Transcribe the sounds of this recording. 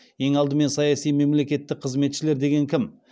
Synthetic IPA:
e̞ŋɑlˠd̪əme̞nsɑjɑsijme̞mle̞kʲe̞t̪ːɪk̚qʰəzme̞t̪ʃɪle̞ɾd̪e̞ɡʲe̞ŋkʲʰɪm

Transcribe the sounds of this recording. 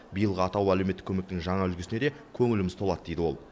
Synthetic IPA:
bijəlˠʁəɑt̪ɑwælɵewmet̪ːɪ̥kʲʰːɵme̞k̚t̪ɪŋʒɑɴɑʏlɡʲɪsɪne̞d̪e | kʲʰɵŋɪlɪmɪz̥t̪ʰo̞lˠɑd̪əd̪e̞jd̪ɪwo̞̰lˠ

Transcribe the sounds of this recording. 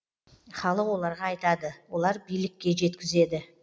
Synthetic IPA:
χɑlˠəqwo̞lˠɑɾʁɑːjt̪ɑd̪əwo̞lˠɑɾbijlɪkʲːe̞ʒe̞t̪kʲɪze̞d̪ɪ

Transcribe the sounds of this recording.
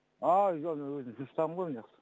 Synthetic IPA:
ɑʒomenwɵzɪmʒʊɾst̪ʰɑʁəɴʁojmnejɑqsə̥

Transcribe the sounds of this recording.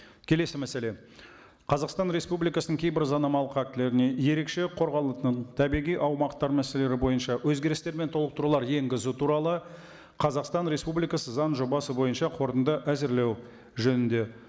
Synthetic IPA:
kʲʰe̞le̞sɪmæse̞le̞ | qʰɑzɑqst̪ɑnɾe̞spublijkɑsənəŋkʲʰejbɪɾzɑnɑmɑlˠəqæk̚t̪ɪle̞ɾɪne̞je̞ɾe̞kʃe̞qʰo̞ɾʁɑlˠət̪əɴt̪ʰæbijʁijʔɑwmɑqt̪ɑɾmæse̞le̞ɾɪbo̞jənʃɑwɵzɡʲe̞ɾɪst̪e̞ɾment̪ʰo̞lˠəq̚t̪əɾulˠɑɾje̞ŋɡʲɪzut̪ʰuɾɑlˠə | qʰɑzɑqst̪ɑnɾe̞spublijkɑsəzɑnʒo̞bɑsəbo̞jənʃɑqʰo̞ɾt̪ənd̪əʔæzɪɾle̞w | ʒɵnɪnd̪e̞

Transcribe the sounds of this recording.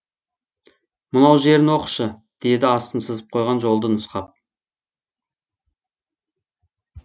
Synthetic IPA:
mʊnɑwʒe̞ɾɪnwo̞qə̥ʃə | d̪̥e̞d̪ɪɑst̪ənsəzəp̚qʰo̞jʁɑnʒo̞lˠd̪ənʊsqɑp̚

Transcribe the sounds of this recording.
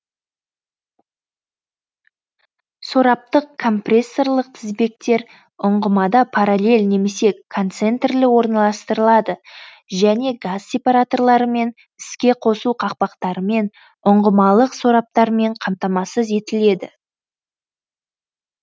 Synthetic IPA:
so̞ɾɑp̚t̪əqkʰːo̞mprʲe̞sːo̞rlˠəq̚t̪ʰɪzbe̞k̚t̪e̞ɾ | ʊɴʁəmɑd̪ɑpʰɑɾalʲe̞lʲne̞me̞se̞kʰo̞nt̪se̞nt̪rlɪwo̞ɾnɑlˠɑst̪əɾəlˠɑd̪ə | ʒæne̞ɡazsʲe̞paɾat̪o̞rlˠɑɾəme̞n | ɪskʲe̞qʰo̞suqʰɑq̚pɑqt̪ɑɾəme̞n | ʊɴʁəmɑlˠəqso̞ɾɑp̚t̪ɑɾme̞ɴqʰɑmt̪ɑmɑsəze̞t̪ɪle̞d̪ɪ̰

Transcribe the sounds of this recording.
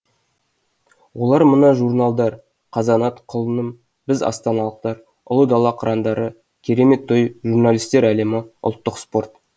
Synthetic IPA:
wo̞lˠɑɾmənɑʒurnalˠd̪ɑɾ | qʰɑzɑnɑt̪qʰʊlˠənəm | bɪzɑ̰st̪ɑnɑlˠəq̚t̪ɑɾ | ʊ̰lˠəd̪ɑlˠɑqʰɾʔɑnd̪ɑɾə | kʲʰe̞ɾe̞me̞t̪ʰːojʒurnalʲijst̪e̞ɾæle̞mɪʊ̰lˠt̪ːəqspo̞rt̪

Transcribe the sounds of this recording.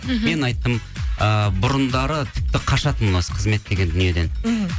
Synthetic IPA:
me̞nɑjt̪ːəməbʊɾənd̪ɑɾət̪ʰɪp̚t̪ɪqʰɑʃɑt̪əmənɑsə̥qʰəzme̞t̪ːe̞ɡʲe̞nd̪ʏnije̞d̪e̞n

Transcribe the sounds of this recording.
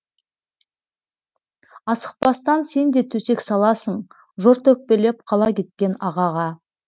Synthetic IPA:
ɑsə̥q̚pɑst̪ɑnse̞nd̪e̞t̪ʰɵse̞ksɑlˠɑsəɴ | ʒoɾt̪ɵk̚pe̞le̞pqʰɑlˠɑkʲe̞t̪̚kʲe̞nɑʁɑʁɑ

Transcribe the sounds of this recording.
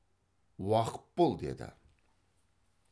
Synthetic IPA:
wɑqə̥t̪̚bolˠd̪e̞̰d̪ɪ̰

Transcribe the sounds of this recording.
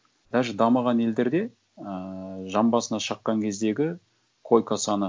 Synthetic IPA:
d̪̥æʒd̪ɑmɑʁɑne̞ld̪e̞ɾd̪e̞ | əʒɑmbɑsənɑʃɑqːɑŋkʲʰe̞zd̪e̞ɡʲɪ | kʰo̞jkasɑnə

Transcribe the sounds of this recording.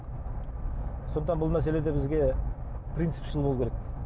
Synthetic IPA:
so̞nd̪ət̪ɑnbʊlˠmæs̬e̞le̞d̪ebɪzɡʲe̞prʲijnt̪sɨ̥pʃəlˠbolˠukʲʰeɾekʲ

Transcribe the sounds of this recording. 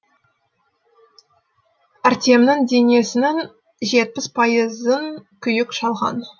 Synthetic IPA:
æɾt̪ʲemnɪŋd̪e̞ne̞sɪnɪŋ | ʒe̞t̪̚pɪspʰɑjəzəŋkʲʰʏjɪkʃɑlˠʁɑ̰n

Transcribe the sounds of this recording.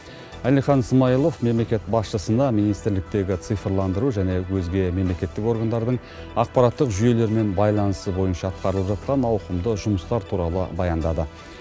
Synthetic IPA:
ælijχɑnsmɑjəlˠo̞fme̞mle̞kʲe̞t̪bɑsʃəsənɑminijst̪ɪɾlɪk̚t̪e̞ɡʲɪt̪sɨjfəɾlˠɑnd̪əɾuʒæne̞wɵzɡʲe̞me̞mle̞kʲe̞t̪ːɪko̞ɾɡand̪ɑɾd̪əɴ | ɑq̚pɑɾɑt̪ːəqʒʏje̞le̞ɾme̞nbɑjlˠɑnəsəbo̞jənʃɑːt̪̚qɑɾəlˠəpʒɑt̪̚qɑnɑwqəmd̪əʒʊməst̪ɑɾt̪ʰuɾɑlˠə̰bɑjɑnd̪ɑd̪ə

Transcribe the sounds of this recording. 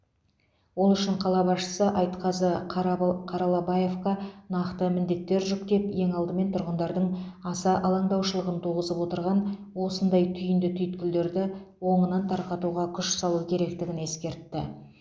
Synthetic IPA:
wo̞lˠʏʃɪɴqʰɑlˠɑbɑsʃə̥səʔɑjt̪qɑzə | qʰɑɾɑlˠɑbɑjefkɑnɑqt̪əmɪnd̪e̞t̪ːe̞ɾʒʏk̚t̪e̞pje̞ŋɑlˠd̪əme̞nt̪ʰʊɾʁənd̪ɑɾd̪əɴɑsɑʔɑlˠɑɴd̪ɑwʃəlˠəʁənt̪ʰulʁəzəpwo̞t̪əɾʁɑn | wo̞sənd̪ɑjt̪ʰʏjɪnd̪ɪt̪ʰʏjɪt̪kʲɪld̪e̞ɾd̪ɪwo̞ɴənɑnt̪ʰɑɾqɑt̪uʁɑkʲʰʏʃsɑlˠukʲʰe̞ɾe̞k̚t̪ɪɡʲɪne̞skʲe̞ɾt̪ːɪ̰

